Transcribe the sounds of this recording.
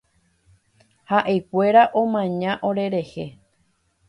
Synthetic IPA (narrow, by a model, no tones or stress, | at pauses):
haʔekʷe̞ɾaʔõ̞mãɲãʔo̞ɾe̞ɾe̞he